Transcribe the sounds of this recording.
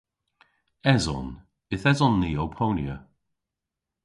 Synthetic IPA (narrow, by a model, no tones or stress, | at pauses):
ɛzɔ̰n | ɪθɛzɔnːiːowpʰownjə̰